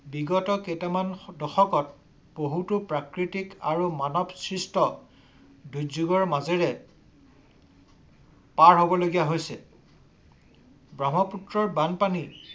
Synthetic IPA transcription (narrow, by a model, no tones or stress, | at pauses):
biɡɔtɔketɛmandɔxɔkɔt̚ | b̥oɦutupɹakɹitikaɹumanɔbsɹistɔ | dujzuɡɔɹmazɛɹɛ | paɹɦobɔloɡijaɦojsɛ̰ | bɹamɔputɹɔɹbanpanil